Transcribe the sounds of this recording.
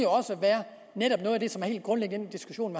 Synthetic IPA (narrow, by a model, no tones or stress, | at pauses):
joɒ̽səʋæːɐ | neɾɒ̽b̥nɔðˠæd̥e̝sɒ̽mæɐhe̝̰ːld̥̚ɡ̥ʁɔnleɡ̥n̩̥end̥isɡ̥uɕo̝̰ːnme